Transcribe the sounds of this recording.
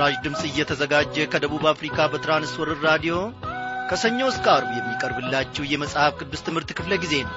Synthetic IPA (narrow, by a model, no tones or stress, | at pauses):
aʒd̪ɨmsʼɨjːɛt̪ʰəzəɡad͡ʒːɛkʰəd̪əβuβafɾikʰabət̪ʰɨɾanɨswɔɾɨɾɾad̪ijo̞kʰəsəɲːo̞skʼaɾbujɛmːikʼəɾbɨlːat͡ʃːɛhjɛməsʼhafkʰɨd̪ːɨst̪ʰɨmhɨɾt̪kʰɨfləɡize̞nəw